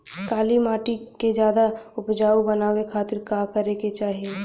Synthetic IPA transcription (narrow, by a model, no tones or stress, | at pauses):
kaːlimaːʈiked͡ʒjaːd̪aʊpd͡ʒaːubɐnaːwekʰaːt̪ɪɾkaːkəɾeket͡ʃaːɦie